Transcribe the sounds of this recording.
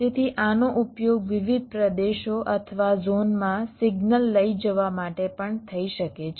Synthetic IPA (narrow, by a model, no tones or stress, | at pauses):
t̪et̪ʰiʔanoʔupjoɡʋiʋid̪̚ʱpɾəd̪eʃoʔət̪ʰəʋazonmãsiɡnəlːəid͡ʒəʋamaʈepəɳt̪ʰəiʃəket͡ʃʰ